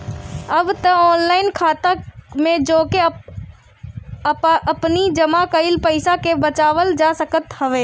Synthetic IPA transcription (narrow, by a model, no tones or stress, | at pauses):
ɐbt̪ɐɔːnlaːɪnkʰaːt̪amẽd͡ʒoːke | ɐpnid͡ʒɐmakəɪlpəɪsakebɐt͡ʃaːʋəld͡ʒaːsɐkət̪hɐʋeː